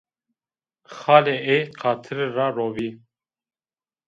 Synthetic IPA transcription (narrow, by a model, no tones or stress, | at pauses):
xɑːleeqʰɑːt̪ʰɨɾraːɾoːviː